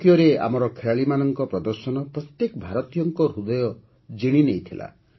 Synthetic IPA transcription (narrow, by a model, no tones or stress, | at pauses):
ijɔɾea̰mɔɾɔkʰeɭaɭimanɔŋkɔpɾɔd̪ɔɾsɔnɔpɾɔt̪jekɔbʱaɾɔt̪ijɔŋkɔɾud̪ɔjɔ | d͡ʒiɽ̃inejt̪ʰila̰